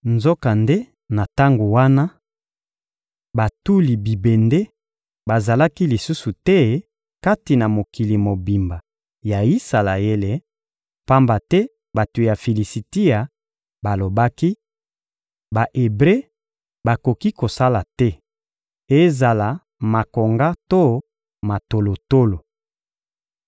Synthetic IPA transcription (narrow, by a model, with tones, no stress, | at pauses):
nzo˦ka˨nde˦ | na˨ta˦ŋɡo˨wa˦na˦ | ba˨tu˦li˨bi˨be˨nde˦ | ba˨za˨la˦ki˦li˨su˦su˨tɛ˦ | ka˦ti˨na˨mo˨ki˨li˨mo˨bi˨mba˨ | ja˨ji˦sa˨la˨je˦le˦ | pa˦mba˨tɛ˦ | ba˨to˨ja˨fi˨li˨si˨ti˦a˨ | ba˨lo˨ba˦ki˦ | ba˨ʔe˨bʁe˦ | ba˨ko˨ki˦ko˨sa˦la˨tɛ˦ | e˦za˨la˨ | ma˨ko˨ŋɡa˦to˦ | ma˨to˨lo˨to˦lo˨